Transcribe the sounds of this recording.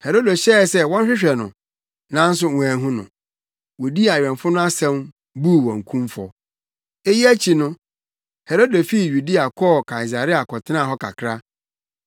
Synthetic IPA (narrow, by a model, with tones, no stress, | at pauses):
he˨ɾo˦do˨ɕɛ˦˨sɛ˦wɔ̃˦n˦ɕᶣɪ˦ɕᶣɛ˨nʊ̰̃˨ | nã˦n̩˦s̬ʊ˦ŋũ˨æ˨ɦũ˦nʊ̰̃˨ | wo˨di˦a˨ɥᶣɛ̃˨nfʊ˦nʊ̃˦a˦sɛ̃˦m | bu˦˨wɔ̃˨ŋ˨kʰũ˦mfɔ̰˨ | e˦ji˦æ˦t͡ɕʰi˨nʊ̃˦ | he˨ɾo˦de˨fi˦˨ju˨di˦a˨kʰɔ˦˨kʰa˨i˨s̬a˨ɾi˦a˨kʰɔ˨tʰɪ˦nã˦˨ɦɔ˦kʰa̰˨kʰɾa˦